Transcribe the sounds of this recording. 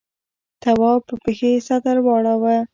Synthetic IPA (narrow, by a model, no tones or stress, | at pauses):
t̪awɑpəpexesat̪aɾwɑɽawa